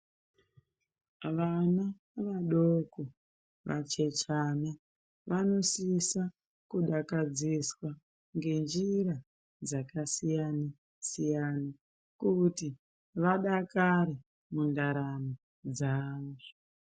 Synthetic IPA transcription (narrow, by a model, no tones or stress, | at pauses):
ʋana | ʋaɗoko | ʋa̰t͡ʃe̞t͡ʃana | ʋano̞sisa | kuɗakad͡ziswa | ŋɡe̞nd͡ʒiɾa | d͡zakasijana | sijana | kuti | ʋaɗakaɾe | mundaɾani | d͡zaːʐo